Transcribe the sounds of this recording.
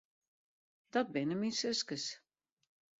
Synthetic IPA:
d̥ɔt̚bɪnəminsøskəs

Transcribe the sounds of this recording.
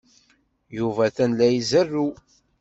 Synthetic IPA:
juvæθænlæjizərːu

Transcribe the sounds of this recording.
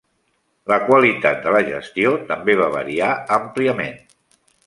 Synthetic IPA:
ləkwəlit̪at̪̚d̪ələʒə̰st̪iot̪əmbeβ̞aβə̰ɾiaəmpliəmḛn

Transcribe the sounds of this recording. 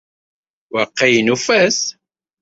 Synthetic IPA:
wəqːijnufæs

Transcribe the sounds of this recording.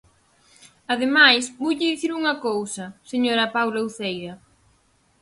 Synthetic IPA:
ɐðemajsbojʎɪðiθiɾuŋɐkowsɐseɲoɾɐpawlauθejðɐ

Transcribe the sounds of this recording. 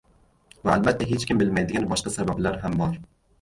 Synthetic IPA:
vaalbat̪ʰːaɦe̞t͡ʃkʲɪmbɪlmajd̪ɪɡʲanbɒʃqɑsabablaɾɦambɒɾ

